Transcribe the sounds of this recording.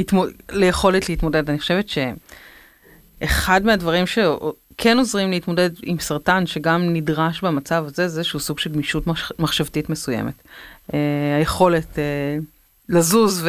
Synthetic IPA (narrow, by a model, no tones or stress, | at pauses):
itmolejeχo̞letleitmo̞de̞daniχoʃevetʃe̞ | χadmeadvaʁimʃe | kʰeno̞zʁimleitmo̞de̞dḭmsaʁtanʃeɡamnidʁaʃbemat͡savazezeʃusuɡʃelɡmiʃutmaχʃavtitmesuje̞̰metehajeχo̞le̞te | lazuzv